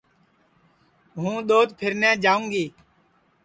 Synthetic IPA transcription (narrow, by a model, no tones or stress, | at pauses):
ɦũːɗ̪oːt̪pʰɪɾnɛ̃ːd͡ʒaːũːŋɡiː